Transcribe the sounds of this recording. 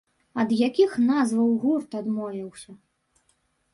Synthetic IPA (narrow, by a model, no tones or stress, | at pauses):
ɐd̪jakʲixnazvɐwɣurt̪ad̪mɔvʲiwsʲɐ